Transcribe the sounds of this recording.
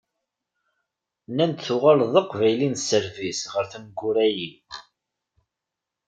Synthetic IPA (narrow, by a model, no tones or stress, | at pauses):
nænd̪θuʁalðˤəqvæjlinsːəɾvisʁəɾθəmɡːʊɾæji